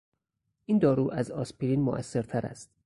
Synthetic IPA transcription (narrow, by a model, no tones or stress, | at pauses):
ʔiːnd̪ɒːɾuːʔæzɒːspʰiɾinmo̰ʔæ̰sːeɾt̪ʰæɾæ̰st̪